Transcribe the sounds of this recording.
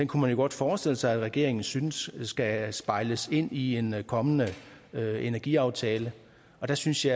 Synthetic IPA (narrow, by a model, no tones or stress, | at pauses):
d̥enkʰumænjo̝ɡ̥ɒ̽d̥fɒːsd̥e̝l̰əsɑ̈ɪæd̥ʁɛɡ̥e̝ɐe̝ŋn̩synəsːɡ̥æsb̥ɑ̈ɪləse̝n̰ie̝nkʰɒ̽mənəøenæɐɡ̥iɑ̈ʊt͡sʰɛːlə | ɒ̽d̥æsynsjɑ